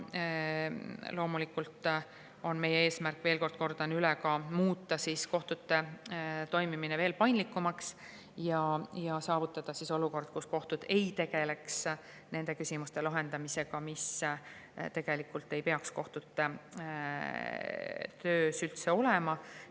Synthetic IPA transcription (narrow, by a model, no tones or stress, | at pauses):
lo̞ːmulikːult̪ | o̞nme̞jːee̞ːsmærkːve̞ːlko̞rd̥̪̚ko̞rd̪̥ɑnylɛkɑmuːt̪ːˑɑsisko̞ht̪ut̪ːe̞t̪o̞jmimineve̞ːlpɑjnlikːˑumɑks | jɑjɑsɑːvut̪ˑːɑd̪̥ɑsiso̞luko̞rd̪̥̚kusko̞ht̪ud̪̥e̞jt̪e̞ɡ̥e̞le̞ks | ne̞nd̪̥e̞kysʲimust̪e̞lɑɦe̞nd̪̥ɑmise̞ɡ̥ɑmis | t̪e̞ɡ̥e̞likːult̪ːe̞jpe̞ɑksko̞ht̪ut̪ːe | t̪øːsylt̪se̞o̞lemɑ